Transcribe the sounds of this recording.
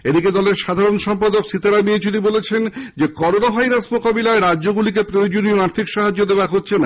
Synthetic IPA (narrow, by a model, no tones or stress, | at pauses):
ed̪iked̪ɔleɾʃad̪ʱaɾonʃɔmpad̪okʃit̪aɾamiet͡ɕunibolet͡ɕʰend͡ʑekɔɾonaɦajɾasmokabilaeɾadːʑoɡulik̬epɾojod͡ʑonioaɾt̪ʰikʃaɦad͡ʑːod̪eoaɾɦotːɕʰena